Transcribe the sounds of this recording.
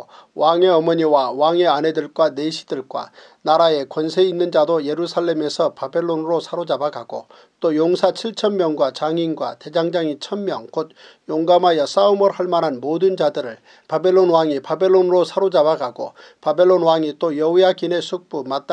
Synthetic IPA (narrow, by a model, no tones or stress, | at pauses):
waŋe̞ʌmʌɲiwawaŋe̞ane̞dɯɭkwane̞ɕʰi̥dɯɭkwa̰ | naɾae̞kwʌnsʰe̞inːɯnd͡ʑadoje̞ɾusʰaɭːe̞me̞sʰʌpabe̞ɭːonɾosʰaɾod͡ʑabaɡaɡo̰ | t͈ojoŋsʰat͡ɕʰiɭt͡ɕʰʌmmːjʌŋɡwat͡ɕaŋinɡwa̰te̞d͡ʑaŋd͡ʑaŋit͡ɕʰʌmmjʌŋkod̚ | joŋɡamajʌs͈aumʌɾhaɭmanɦanmodɯnd͡ʑadɯɾɯɭ | pabe̞ɭːonwaŋipabe̞ɭːonɯɾosʰaɾod͡ʑabaɡʰʱaɡo̰ | pabe̞ɭːonwaŋit͈ojʌujakine̞sʰuk̚p͈umat̚t͈a